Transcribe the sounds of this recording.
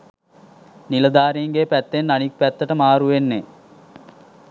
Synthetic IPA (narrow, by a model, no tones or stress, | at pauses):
niləd̪aːɾiːŋɡeːpæt̪ːenːanik̚pæt̪ːəʈəmaːɾuʋenːe